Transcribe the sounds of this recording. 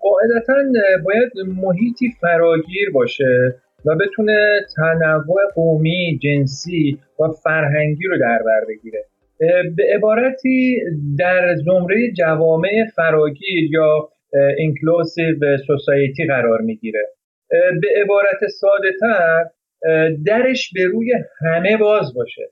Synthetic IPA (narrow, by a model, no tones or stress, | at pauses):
ɢɒːe̞d̪æt̪ʰænbɒːjæd̪moɦiːt̪ʰiːfæɾɒːɟiːɾbɒːʃe̞ | væbe̞t̪ʰuːne̞t̪ʰænævːo̞e̞ɡomiːd͡ʒe̞nsiː | væfæɾɦæŋɟiːɾod̪æɾbæɾbe̞ɡiːɾe̞ | be̞ʔebɒːɾæt̪ʰiːd̪æɾzo̞mɾe̞jed͡ʒævɒːme̞ʔefæɾɒːɟiːɾjɒː | iŋkʰlosivsosɒːjet̪ʰiːɣæɾɒːɾmiːɟiːɾe̞ | be̞ebɒːɾæt̪ʰe̞sɒːd̪e̞t̪ʰæɾ | d̪æɾe̞ʃbe̞ɾuːje̞hæme̞bɒːzbɒːʃḛ